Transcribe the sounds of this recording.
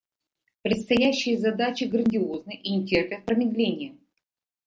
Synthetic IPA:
pɾʲɪt̪st̪ɐjæɕːɪjəzɐd̪at͡ɕɪɡɾənʲdʲɪo̞znɨjʔinʲɪtʲerp̪ʲɨxpɾəmʲɪd̪lʲenʲɪjə

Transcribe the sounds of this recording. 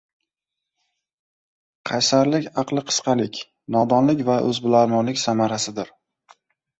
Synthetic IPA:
qʰɑjsaɾlɪkʲɑqlˠɪqʰɨ̥sqʰɑlɪkʲ | nɒd̪ɒnlɪkʲvaʔɵ̰zbʊlaɾmɒnlɪkʲsamaɾasɪd̪ɪɾ

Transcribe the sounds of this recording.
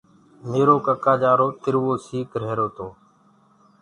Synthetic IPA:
meːɾoːkəkaːd͡ʒaːɾoːt̪ɪɾʋoːsiːkɾ̤eːɾoːt̪ʰoː

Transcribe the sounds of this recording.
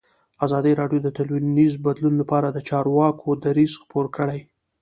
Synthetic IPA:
azɑd̪iɾɑɖjod̪ət̪alwinizbad̪lunlapɑɾad̪ət͡ʃɑɾwɑkʰod̪aɾizxpoɾkəɽaj

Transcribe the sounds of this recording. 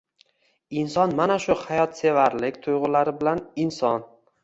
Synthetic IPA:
ɪnsɒnmanaʃʊhajɒt̪se̞vaɾlɪkʲt̪ʰʊjʁʊlaɾɪbɪlanɪnsɒn

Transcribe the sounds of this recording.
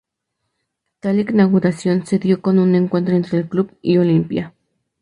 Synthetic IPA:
t̪aliknaɣuɾasjonseðjokonune̞ŋkwe̞nt̪̬ɾoent̪ɾeːlkluβiolimpja

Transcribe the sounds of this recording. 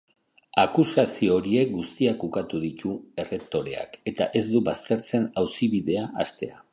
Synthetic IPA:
akuskasioɾie̞k̚ɡust̪iakukat̪uð̞it̪ue̞re̞kt̪o̞ɾe̞̰a̰ke̞t̪aʔe̞zd̪uβast̪e̞ɾt͡se̞nawsiβiðe̞aʔast̪e̞a

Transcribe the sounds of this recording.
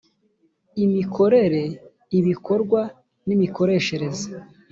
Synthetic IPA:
imikʰo̞ɾe̞ɾe̞ | iβikʰo̞ɾɡwa | nimikʰo̞ɾe̞ːʃe̞ɾe̞za

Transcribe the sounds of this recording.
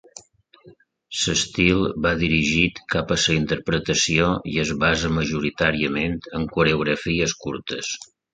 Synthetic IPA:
səst̪ilˠbaðiɾiʒit̪kapəsəint̪əɾpɾət̪əsioiəzβazəməʒuɾit̪aɾiəment̪əŋkuɾeuɣɾəfiəskuɾt̪əs

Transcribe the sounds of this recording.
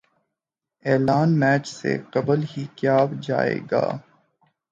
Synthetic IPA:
ɛːlaːnmɛːt͡ʃsḛqɐbəlhikjaːbd͡ʒa̰ːḛːɡa̰ː

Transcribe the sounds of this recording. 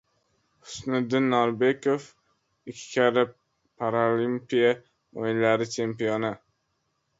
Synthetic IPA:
hʊ̥snɪd̪ɪnːɒɾbe̞kʰof | ɪkʲʰːkʲʰaɾɪ | pʰaɾolimpija | ojɪnlaɾɪt͡ʃʰe̞mpijonɪ

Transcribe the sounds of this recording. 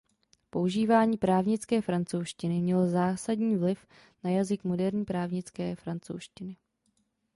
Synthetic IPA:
po̞uʒiːvaːɲiːpɾaːvɲɪt͡skɛːfɾant͡sowʃcɪnɪmɲɛlzaːsadɲiːvlɪf | najazɪkmo̞dɛɾɲiːpɾaːvɲɪt͡skɛːfɾant͡so̰wʃcɪnɪ

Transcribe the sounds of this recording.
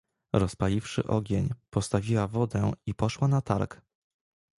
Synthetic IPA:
ɾɔspalʲifʂɘ̰ʔɔɡʲeɲpɔst̪avʲiwavɔd̪ɛipɔʂwanat̪a̰ɾk

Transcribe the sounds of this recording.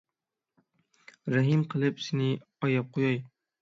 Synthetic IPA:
ɾæɦimqʰɨlˠɨpsɪnɪ | ɑjɑp̚qʰojɑj

